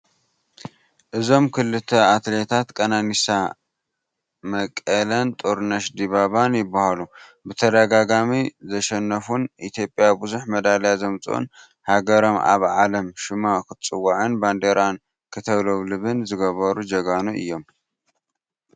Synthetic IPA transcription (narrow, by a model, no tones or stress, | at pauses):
ʔɨzo̞mkʰɨlːɨt̪ʰɐat̪let̪ʰat̪kʼɐnanisa | mɐkʼɐlɐnt̪ʼoɾnɐʃd̪iβaβanjɪbːahalubɨt̪ʰɐd̪ɐɡaɡamizɐʃɛnːɐfunʔit̪ʰjo̞pʼːjabɨzuħmɐd̪aljazɐmt͡sʼṵn | haɡɐɾo̞mʔa̰βʕalɐmʃɨmakʰɨt͡sʼɨwːaʕɨnband̪eɾan | kʰɨt̪ʰɐβloβlɨβɨnzɨɡɐβɐɾud͡ʒɐɡanuɨ̰jːo̞m